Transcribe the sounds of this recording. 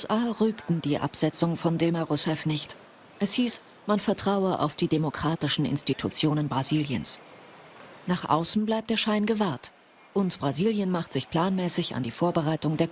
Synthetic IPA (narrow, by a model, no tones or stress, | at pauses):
sʔaːʁyːktn̩d̥iːʔa̰pz̥ɛt͡sʊŋfɔndɪlmaʁʊsɛfnɪçt | ʔɛshiːs | manfɛɐtʁ̥aʊəʔa̰ʊfd̥iːdemokʁ̥aːtɪʃn̩ɪ̰nstitʰut͡sjoːnənbʁaziːljə̰ns | naːχʔa̰ʊsn̩blaɪp̚td̥eːɐʃaɪnɡəvaɐt | ʔʊntb̥ʁaziːljənmaχtz̥ɪçpʰl̥aːnmɛːsɪça̰ndiːfoːɐbəʁaɪtʊŋdeːɐ